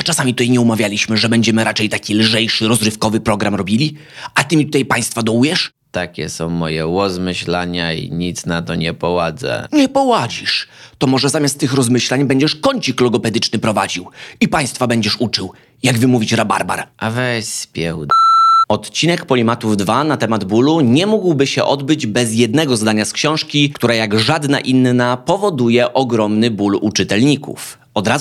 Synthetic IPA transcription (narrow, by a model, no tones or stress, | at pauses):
t͡ʂasamʲit̪ut̪ajɲɛumavʲjalʲiɕmɘʐɛbɛɲd͡ʑɛmɘɾat͡ʂɛjt̪akʲilʐɛjʂɘɾɔzɾɘfkɔvɘpɾɔɡɾamɾɔbʲilʲi | at̪ɘmʲit̪ut̪ajpaj̃st̪fad̪ɔwujɛʂ | t̪akʲɛsɔ̃w̃mɔjɛwɔzmɘɕlaɲaḭɲit̪snat̪ɔɲɛpɔwad̪zɛ̰ɲɛpɔwad͡ʑiʂt̪ɔmɔʐɛzamʲjast̪ːɘxɾɔzmɘɕlaɲbɛɲd͡ʑɛʂkɔɲt͡ɕiklɔɡɔpɛd̪ɘt͡ʂnɘpɾɔvad͡ʑiwipaj̃st̪fabɛɲd͡ʑɛʂut͡ʂɘw | jaɡvɘmuvʲit͡ɕɾaba̰ɾba̰ɾʔavɛɕspʲjɛ̰wɔt̪t͡ɕinɛkpɔlʲimat̪uvd̪vanat̪ɛmad̪buluɲɛmuɡwbɘɕɛ̰ʔɔd̪bɘd͡ʑbɛzjɛd̪̚nɛɡɔzd̪aɲaskɕɔ̃w̃ʂkʲikt̪uɾajaɡʐad̪na̰ʔinːapɔvɔd̪ujɛʔɔɡɾɔmnɘbulṵt͡ʂɘt̪ɛlɲikṵf | ɔd̪ɾa